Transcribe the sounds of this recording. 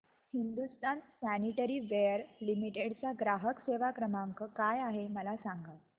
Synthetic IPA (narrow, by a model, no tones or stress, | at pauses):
hind̪ust̪ʰansæniʈəɾiːʋejəɾlimiʈeɽt͡saɡɾaɦəkseʋakɾəmaŋkəkajaɦeməlasaŋɡat̪